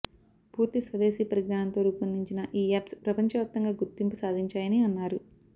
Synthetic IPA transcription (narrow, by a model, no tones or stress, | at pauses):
puːɾt̪isʋɐd̪eːsiːpɐɾiɡɾaːɳɐnt̪o̞ːɾuːkɐnd̪iɲt͡ʃinɐʔiːaːpspɾɐpɐɲt͡ʃɐʋap̚t̪ːɐŋɡaːɡuɾt̪ːimpusaːd̪ʱiɲt͡ʃaːjɐniːɐnːaːɾu